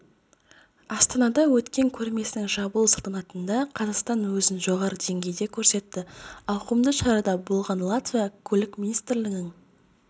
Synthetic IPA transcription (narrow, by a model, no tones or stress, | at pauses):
ɑst̪ɑnɑd̪ɑwɵt̪kʲe̞ŋkʲʰɵɾme̞sɪnɪŋʒɑbəlˠsəlˠt̪ɑnɑt̪ənd̪ɑqʰɑzɑqst̪ɑnwɵzɪnʒo̞ʁɑɾəd̪e̞ŋɡʲe̞jd̪e̞kʲʰɵɾse̞t̪ːɪɑwqumd̪əʃɑɾɑd̪ɑbo̞lˠʁɑnlˠat̪vʲijɑkʲʰɵlɪkmʲinist̪ɾlɪɡʲɪŋ